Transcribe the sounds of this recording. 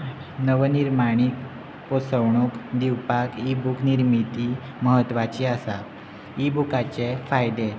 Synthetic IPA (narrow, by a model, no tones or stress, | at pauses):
nəʋəniɾmaɽ̃ik | posəwɳukd̪iwpakibukniɾmit̪i | məɦət̪ːʋat͡ɕiasa | ibukat͡ɕefajd̪e